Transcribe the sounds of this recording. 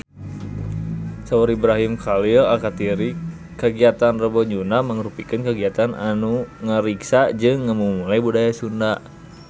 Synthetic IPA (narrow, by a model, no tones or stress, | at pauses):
sauɾibɾaɦimkalilakat̪iɾi | kəɡiat̪anrəbɔɲunaməŋəɾupikɨnkəɡiat̪anʔanuŋəɾiksad͡ʒɨŋːəmumulajbudajasunda